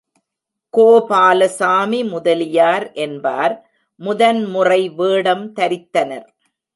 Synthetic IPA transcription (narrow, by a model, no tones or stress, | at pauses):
koːpaːlɐsaːmimʊðɐlɪjaːɾʔɛnba̰ːɾ | mʊðɐnmʊrɐɪʋeːɽɐmt̪ɐɾɪt̪ːɐnɐɾ